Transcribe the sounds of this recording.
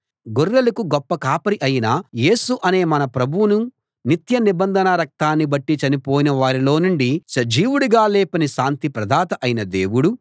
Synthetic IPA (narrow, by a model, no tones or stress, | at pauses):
ɡurːɐlɐkuɡɔpːɐkaːpɐɾiʔɐjinɐje̞ːsuʔɐne̞ːmɐnɐpɾɐbʱuwunu | nit̪jɐnibɐnd̪ʱɐnɐɾɐk̚t̪aːnːibɐʈːit͡ʃɐnipoːjinɐʋaːɾilo̞ːnuɳɖisɐd͡ʒiːwuɽuɡaːlɛːpɐniʃaːnt̪ipɾɐd̪ʱaːt̪ɐʔɐjinɐd̪eːwuɽu